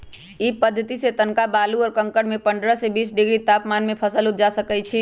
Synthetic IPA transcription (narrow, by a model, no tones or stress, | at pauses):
ipəd̪ʱːət̪iset̪ənkabaluɔːɾkə̃ŋkəɽmepəɳɖɾəsebisɖiɡɾit̪apmanmepʰəsəlup̚d͡ʒasəkɛt͡ʃʰi